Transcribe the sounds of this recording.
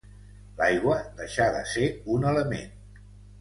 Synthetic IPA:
lajɣwəðəʃaðə̰seunələmḛn

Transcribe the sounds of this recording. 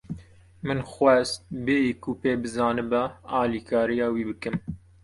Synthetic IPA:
mɨnxʷwɛst̪̚beikupeːbɨzɑːnɨbɛɑːliːkʰɑːɾijɑːwiːbɨkɨm

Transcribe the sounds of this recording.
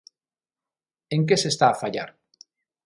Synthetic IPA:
eŋk̬esest̪aːfaʎa̰ɾ

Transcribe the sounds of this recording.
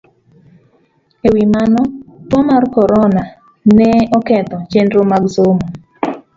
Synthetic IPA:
ewimanɔtɔmarkɔɾɔna | nɛɔkɛt̪ɔt͡ʃendɾomaɡzomo

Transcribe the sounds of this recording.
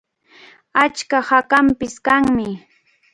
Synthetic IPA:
at͡ʃkahakampɪskaŋmɪ

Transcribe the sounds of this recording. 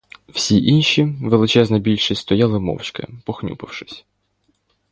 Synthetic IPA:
w̥sʲiʔinʃiʋelˠɪt͡ʃɛznɐbʲilʲʃɪst̪ɔjalˠɪmɔ̰wt͡ʃkɪ̰pɔxnʲṵpɐwʃɪ̥sʲ

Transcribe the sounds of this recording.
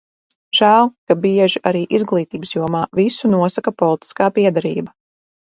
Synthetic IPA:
ʒ̥æːlˠkabiɛʒiʔaɾiːʔizɡlˠiːt̪iːbsjuɔmaːvisunuɔsakapɔlˠit̪i̥skaːpiɛd̪aɾḭːbɐ

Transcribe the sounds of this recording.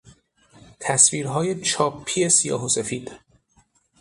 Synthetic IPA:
t̪ʰæsviːɾɦɒːje̞t͡ʃʰɒːpʰːije̞sijɒ̰ːɦosefiːd̪̥

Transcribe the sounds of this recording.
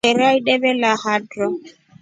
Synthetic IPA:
ɛɾaiɗɛbɛlahadrɔŋ

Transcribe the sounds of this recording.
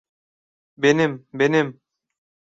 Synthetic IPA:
benɪmbenɪm

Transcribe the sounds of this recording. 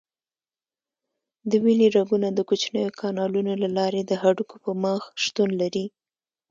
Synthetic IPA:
d̪əwiliɾaɡunad̪əkut͡ʃnəjokʰɑnɑlunolalɑɾed̪əɦaɖukopəməxʃt̪unlaɾi

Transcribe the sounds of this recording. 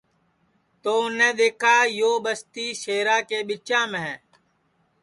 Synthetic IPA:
t̪oːʊnẽːd̪eːkʰaːjoːbəst̪iːʃeːɾaːkeːɓɪt͡ʃãːmẽː

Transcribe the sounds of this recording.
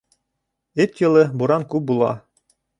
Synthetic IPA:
ɘt̪jɤ̆lˠɤbuɾɑŋkʉp̚bulˠɑ̰

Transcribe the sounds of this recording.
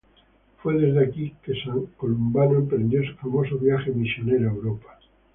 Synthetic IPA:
fweð̞ezðeakikesaŋkolumbanoempɾend̪josufamosoβjaxemisjo̞neɾoaewɾopḁ

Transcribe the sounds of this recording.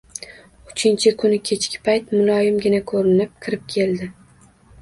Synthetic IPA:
ʊt͡ʃʰɪnt͡ʃʰɪkʰʊnɪkʲʰe̞t͡ʃkʲɪ̥pʰajt̪mʊlˠɒjɪmɡʲɪnakʰɵɾɪnɪp̚kʲʰɪɾɪp̚kʲʰe̞ld̪ɪ

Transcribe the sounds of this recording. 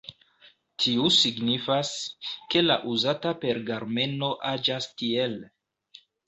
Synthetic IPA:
tʰiusiɡnifaske̞laʔuzatape̞ɾɡaɾme̞no̞ʔad͡ʒastiel

